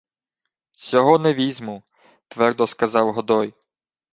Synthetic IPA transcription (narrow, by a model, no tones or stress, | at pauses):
sʲɔɦɔnɛʋʲizʲmu | t̪ʋɛrd̪ɔskɐzɑwɦɔd̪ɔj